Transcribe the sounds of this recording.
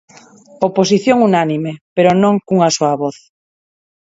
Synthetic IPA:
opos̬iθjõŋunanĩmepeɾonõŋkuŋasoaβoθ

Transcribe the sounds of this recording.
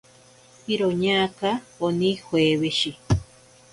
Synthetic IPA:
iɾoɲaːkaonĩhweːβeʃi

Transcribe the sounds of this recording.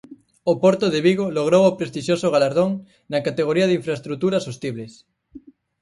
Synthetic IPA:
opoɾt̪oðeβiɣoloɣ̞ɾowopɾest̪iʃosoɣ̞alaɾðoŋ | nakat̪eɣ̞oɾiaðiɱfɾaest̪ɾut̪uɾasost̪iβles

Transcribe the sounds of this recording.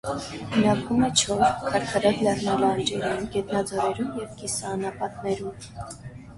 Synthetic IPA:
nɑkʰumɛt͡ʃʰɔɾkʰɑɾkʰɑɾɑd̪lɛrnɑlɑnd͡ʒɛɾumɡɛt̪nɑd͡zɔɾɛɾumjɛvkisɑːnɑpɑt̪nɛɾum

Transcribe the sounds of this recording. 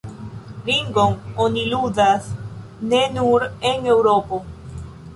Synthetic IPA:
ɾiŋɡoŋoniluðas | nenuɾeŋewɾopo

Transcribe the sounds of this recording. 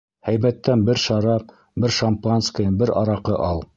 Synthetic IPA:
hæjβæt̪ːænbɘɾʃɑɾɑ | bɘɾʃɐmpanskə̆jɤbɘɾɑ̰ɾɑqɤʔɑlˠ

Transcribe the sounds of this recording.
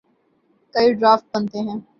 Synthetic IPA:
kɐiɖɾaːfʈ̚bɐnt̪eɦɛ̃ː

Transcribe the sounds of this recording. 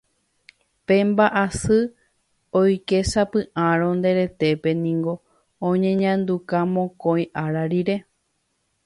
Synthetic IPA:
pe̞mbaʔasɨ | ojkesapɨ̃ʔãɾ̃õ̞nd̪e̞ɾe̞t̪e̞pe̞nĩŋɡõ̞ː | ɲẽ̞ɲãnd̪ukamõkõj̃ʔaɾaɾiɾe̞

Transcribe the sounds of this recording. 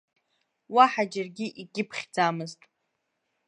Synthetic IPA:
waħad͡ʒarɡʲiʔiɡʲɪpʰχʲd͡zamɨztʼ

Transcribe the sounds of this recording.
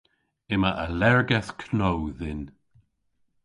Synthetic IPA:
ɪməʔəlɛɹɡɛθkʰnowðɪn

